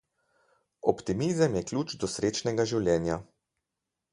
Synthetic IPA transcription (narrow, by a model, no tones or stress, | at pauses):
ɔpt̪imizəmjɛklʲut͡ʃd̪ɔsɾeːt͡ʃnɛɡaʒiwlʲjɛːnja